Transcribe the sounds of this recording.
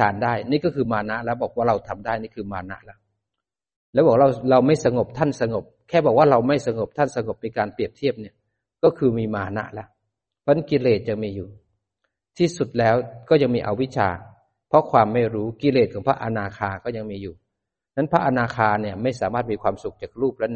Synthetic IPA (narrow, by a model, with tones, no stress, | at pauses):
tʰaː˨˦ndaː˥˩jniː˦˥˩kɔː˥˩kʰɯː˧maː˧na˦˥ʔlɛ˦˥bɔː˨˩k̚waː˥˩ɾa˧wt̪ʰa˧mdaː˥˩jniː˥˩kʰɯː˧maː˧na̰˦˥ʔlɛ˦˥ | lɛː˦˥wbɔː˨˩k̚ɾa˧wɾa˧wma˥˩jsa˧ŋo˨˩p̚t̪ʰa˥˩nsa˧ŋo˨˩p̚kʰɛː˥˩bɔː˨˩k̚waː˥˩ɾa˧wma˥˩jsa˧ŋo˨˩p̚t̪ʰa˥˩˨nsa˧ŋo˨˩p̚na˧jkaː˧npli˨˩əp̚t̪ʰi˦˥˩əp̚ni˥˩ɐ | kɔː˥˩kʰɯː˧miː˧maː˧na̰˦˥ʔlɛ˦˥ | pʰɔ˧˥˦ki˧leː˨˩t̪̚ja˨˧ŋmiː˧juː˨˩ | t̪ʰiː˥˩su˨˩t̪̚lɛː˦˥wkɔː˥˩ja˧ŋmiː˧ʔa̰˧wi˦˥t͡ɕʰa̰ː˧ | pʰɔ˦˥kʰwaː˧mːa˥˩jɾuː˦˥ki˧leː˨˩t̪̚ʰɔː˩˦˥pʰa˦˥ʔa˧naː˧kʰaː˧nkɔː˥˩ja˧ŋmiː˧juː˨˩ | na˦˥npʰa˦˥ʔa˧naː˧kʰaː˧nːi˥˩ɐma˥˩jsaː˨˦maː˥˩t̪̚miː˧kʰwaː˧msu˨˩k̚t͡ɕaː˨˩k̚ɾuː˥˩p̚lɛ˦˥n˥